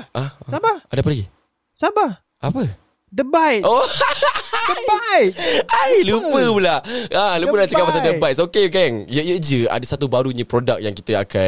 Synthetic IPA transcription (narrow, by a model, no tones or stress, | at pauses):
ʔaaaadapalaɡi | saba | ʔapə | dəbajʔo | əajajlupəpulaalupəlat͡ʃəkamasadəbaj̚sokeɡaŋjəjəd͡ʒəa̰dasat̪ubaɾuɲə̃pɾodak̚jaŋkit̪əa̰ka